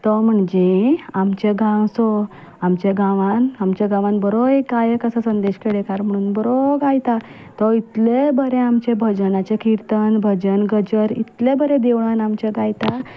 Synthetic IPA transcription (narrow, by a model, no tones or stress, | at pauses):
t̪ɔm̤əɳd͡ʑeamt͡ɕeɡãwsɔ | amt͡ɕeɡãʋãnamt͡ɕaɡãʋãnbəɾoekːajekəsəsənd̪eɕkeɽekaɾm̤əɽ̃uːnbəɾoɡajt̪a | t̪ɔit̪lebəɾẽamt͡ɕebʱəd͡ʑnat͡ɕekiɾt̪ənbʱəd͡ʑənɡəd͡ʑəɾḭt̪lebəɾed̪eʋɭanamt͡ɕeɡajt̪a